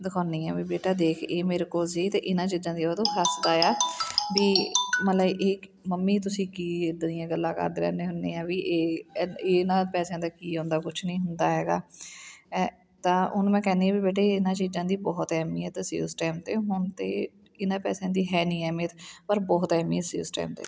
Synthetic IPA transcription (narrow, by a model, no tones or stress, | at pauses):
d̪ɪkʰaːnĩːɛːbiːbeːʈaːd̪eːkʰeːmeːɾeːkoːlsiːt̪eːʔɪnãːt͡ʃiːzãːd̪iːoːd̪õːsasd̪aːjaːbiːmələbʔeː | məmːiːt̪̬ʊsĩːkiːd̪nijãːɡəlːãːkə̰ɾd̪ɾɛ̰ːneːɦʊneːãːʋiːʔeːeːnãːpɛːsjãːd̪aːkiːɦõːnd̪aːkʊt͡ʃʰnəĩːɦʊnd̪aːɦɛːɡaː | t̪ãːʊnmɛ̃ːkɛːneːãːbiːbeːʈ̬eːɪnãːt͡ʃiːzãːd̪iːbɔːt̪ɛːmĩːɦɛːt̪asjṵːsʈɛːmt̪eːɦʊɳt̪ḛː | ɪnãːpɛːsãːd̪iːɦɛːnĩːɛːmeːt̪ʰpəɾbɔːt̪ɛːmḭ̃ːɛːsḭːsʈɛ̰ːmt̪ḛː